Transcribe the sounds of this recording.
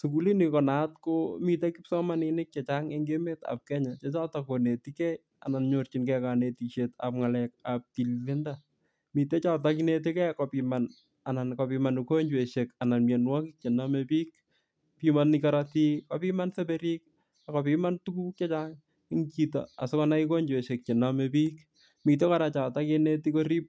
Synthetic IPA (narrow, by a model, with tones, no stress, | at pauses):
suku˦li˦nikɔ˨na˨tko˦mi˨te˦ki˦psɔ˦manɪnɪk̚t͡ʃɛt͡ʃaŋe˦ŋɡe˦me˦ta̰˨p̚kɛ˦ɲa˨t͡ʃe˦t͡ʃa˦ta˨kone˨tikɛ˦j | a̰˨na˨nɲo˨rt͡ʃi˨nkɛka˨ne˨ti˨ʃeta̰p̚ŋa˨lɛkap̚ti˨lːɪ˦nda | mi˨te˦t͡ʃa˦t̬aki˦ne˨t̬i˦kɛ˦kɔpiman | a˨na˨nkɔ˨pima˨nu˨ko˦ɲd͡ʒwe˨ʃe˨ka˨na˨nmjɛ˨nwa˦kik̚t͡ʃe˨na˦mepi˦k̚ | pimani˦kaɾati˦ko˨pi˦ma˦nse˦pe˦ɾik̚ | akɔ˨pi˦ma˦ntu˦ku˦t͡ʃe˦t͡ʃa˦ŋ˦ | ŋt͡ʃi˨ta̰˨a̰˨sɔ˦kana˦iko˦ɲd͡ʒwe˨ʃe˨k̚t͡ʃe˨namepi˦k | mi˨te˦ka˦ɾa˨t͡ʃa˨ta˦kine˦ti˦ko˦ɾi˦p̚